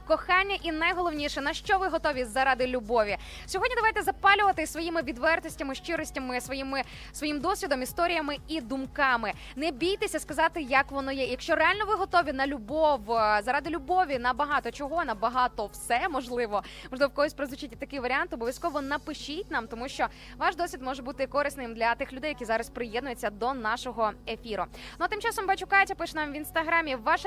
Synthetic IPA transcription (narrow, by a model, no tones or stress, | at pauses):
kɔxɑnʲːɐʔinɐjɦɔlˠɔwnʲiʃɛnɐʃt͡ʃɔʋɪɦɔt̪ɔʋʲizɐɾɑd̪ɪlʲubɔʋʲi | sʲɔɦɔdʲnʲid̪ɐʋajt̪ɛzɐpɑlʲʊʋɐt̪ɪsʋɔjimɪʋʲid̪ʋɛrt̪ɔsʲtʲɐmɪʃt͡ʃɪɾɔsʲtʲɐmɪsʋɔjimɪ | sʋɔjimd̪ɔsʲʋʲid̪ɔmist̪ɔɾʲijɐmɪid̪ʊmkɑmɪ | nɛbʲijt̪esʲɐskɐzɑt̪ɪjɐkʋɔnɔjɛjɐkʃt͡ʃɔrɛalʲnɔʋɪɦɔt̪ɔʋʲinɐlʲubɔʋzɐɾɑd̪ɪlʲʊbɔʋʲinɐbɐɦɑt̪ɔt͡ʃɔɦɔnɐbɐɦɑt̪ɔwsɛmɔʒlˠɪʋɔ | mɔʒlˠɪʋɔkɔɦɔsʲpɾezʋʊt͡ʃɪtʲːɪt̪ɐkɪʋɐɾʲiant̪ɔbɔʋʲjʲɐskɔʋɔnɐpɪʃit̚ʲnɑmt̪ɔmuʃt͡ʃɔ | ʋɑʃd̪ɔsʲʋʲid̪mɔʒɛbut̪ɪkɔɾɨsnɪmd̪lʲɐt̪ɪxlʲʊd̪ɛjɐkizɑɾɐsʲpɾɪjɛd̪nʊjʊt͡sʲːɐd̪ɔnɑʃɔɦɔefʲiɾʊnuɐt̪ɪmt͡ʃɑsɔmbɐt͡ʃʊkɑjtʲɐpɪʃɛnamʋʲinst̪ɐɦɾamʲiʋɑʃ